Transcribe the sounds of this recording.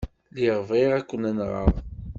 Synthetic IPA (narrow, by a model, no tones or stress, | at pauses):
liʁvʁeʁækʷːənænʁɑ̰ʁˤ